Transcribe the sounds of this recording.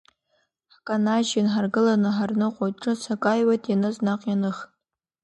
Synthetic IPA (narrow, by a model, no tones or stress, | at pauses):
ħkʼanaʒɪnħarɡɨlanɨħarnɨqʼojtʈ͡ʂʼɨsakʼajwatʼjanɨznaqʼjanɨχtʼ